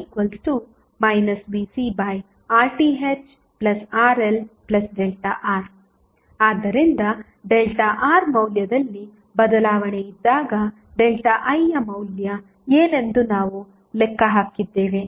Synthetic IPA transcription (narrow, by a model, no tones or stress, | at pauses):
kʋɐlsʈu | mɐjnɐsʋiːsibɐj | aːɾʈiɦet͡ʃ | plɐsaːɾelplɐsɖelʈɐʔaːɾ | aːd̪ːɐɾind̪ɐ | ɖelʈɐʔaːɾmɐwljɐd̪ɐlːi | bɐd̪ɐlaːʋɐɳejid̪ːaːɡɐ | ɖelʈɐʔɐjːɐmɐwljɐ | eːnend̪unaːʋu | lɛkːɐɦaːkid̪ːe̞ːʋe